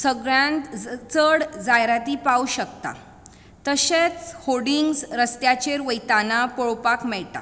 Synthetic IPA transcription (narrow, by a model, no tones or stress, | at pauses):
səɡɾant̪t͡səɽd͡zajɾat̪ipauɕəkt̪a̰ | t̪əɕet͡shoɽiŋɡsɾəst̪jat͡ɕeɾʋəjt̪anapɔɭpakmɛɭʈa̰